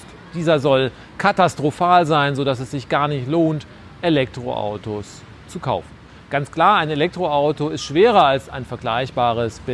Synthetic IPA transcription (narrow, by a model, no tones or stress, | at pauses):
d̥iːzɐzɔl | kʰatastʁ̥ofaːlzaɪnzodasɛsz̥ɪçɡ̥aːɐnɪçtloːnt | ʔelɛk̚tʁ̥o̰ʔa̰ʊtos | t͡sukʰa̰ʊfn̩ | ɡ̥ant͡skl̥aːɐaɪnelɛk̚tʁ̥oaʊtoɪstʃv̥eːʁ̞ɐalsaɪnfɛɐɡlaɪçb̥aːʁ̞əsb̥ɪ